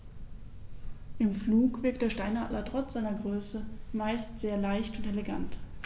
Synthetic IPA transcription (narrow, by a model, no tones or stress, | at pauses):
ʔɪmfluːkv̥ɪɐk̚td̥eːɐʃtaɪnha̰ːtlɐtʁ̥ɔt͡sz̥aɪnɐɡʁøːsəmaɪstz̥eːɐlaɪçtʊntɛleɡant